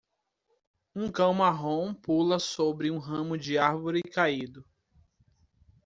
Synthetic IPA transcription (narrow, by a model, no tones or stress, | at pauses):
ũkɐ̃w̃maɦõpulɐsobɾɪũɦɐ̃mʊd͡ʒɪaɾvoɾɪkaid̪ʊ